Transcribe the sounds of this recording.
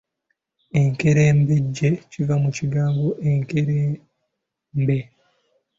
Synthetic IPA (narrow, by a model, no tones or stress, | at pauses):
e̞ŋke̞ɾeːmbeɟːecivamuciɡaːŋɡoʔeŋkeɾe | mbe̞